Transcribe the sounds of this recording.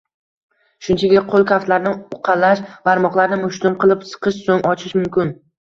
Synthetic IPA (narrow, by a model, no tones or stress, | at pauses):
ʃʊnt͡ʃʰaɡʲaqʰolˠkʰʲaft̪laɾnɪʊqʰɑlaʃbaɾmɒqlaɾnɪmʊʃt̪ʊmqɨlˠɪpsɨ̥qʰɨʃsoŋʔɒt͡ʃʰɪʃmʊmkʲɪn